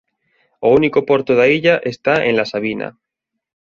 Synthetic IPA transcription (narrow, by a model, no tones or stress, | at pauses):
ounikopo̞ɾt̪oðaiʎaʔe̞st̪aẽ̞nlasaβina̰